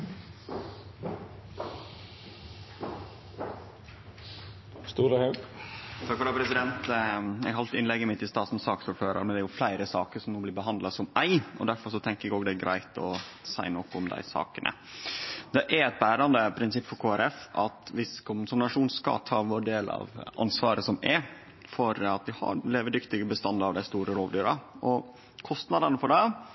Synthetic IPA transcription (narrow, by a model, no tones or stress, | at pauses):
st̪uːɾəhɛ | t̪ʰɑkfɔɾd̪ɑːpʰɾɛsɪd̪ɛnt̪ɛɡhɑlt̪ɪnlɛɡːəmɪt̪ːɪst̪ɑːsn̩sɑːksʊɾføːɾə̰ɾmɛnɛæɾjʊflæɪɾəsɑːkəɾʂɔmnoːblɪɾbəɦɑnd̪lɑsɔmæɪɔd̪æɾfɔɾʂɔt̪ʰɛŋkəɛɡoːɡd̪ɛɡɾʔæ̰ɪt̪ɔsæɪnɔkːʊmd̪æ̰ɪsɑ̰ːkənʔə̰ | d̪ɛʔæɾɛɪt̪̚bæːɾɑnd̪əpʰɾɪnsɪpːfɔɾkʰoːæɾɛfʔɑt̪ʋɪskʰʊmsɑmɪnɑʂuːnskɑ̰t̪ʰɑ̰ːʋʊɖeːlɑ̰ʋɑ̰nsʋɑːɾəsɔmɛɾ | fɔɾɑt̪̚d̪ɪhɑ̰ɾleːʋəɖʏkt̪ɪɡəbəst̪ɑnd̪ɑʋd̪æɪst̪uːɾəɾoːʋd̪yːɾɑɔ | kʰɔst̪nɑd̪ɑnəfɔɖɛ